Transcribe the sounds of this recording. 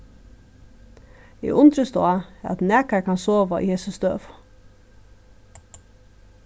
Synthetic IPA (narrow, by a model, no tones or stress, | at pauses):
ḭːʔʊnd̪ɾəst̪o̰ːɑɑ̰t̪næːkɑɹkʰɑnsoːʋaʔḭːheːsəst̪ø̰ːʋ